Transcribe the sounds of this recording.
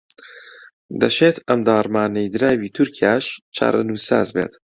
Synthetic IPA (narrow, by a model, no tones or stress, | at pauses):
d̪ɐʃeːt̪ʰɐmd̪ɑːɾmaːnejd̪ɨɾaːwiːt̪ʰuɾkʰijaːʃt͡ʃʰa̰ːɾɐ̰nuːsa̰ːzbḛːt̪